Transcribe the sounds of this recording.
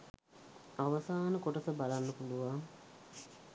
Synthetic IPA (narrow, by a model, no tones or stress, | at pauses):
aʋɐsaːnəkoʈəsəbalanːəpuluʋaŋ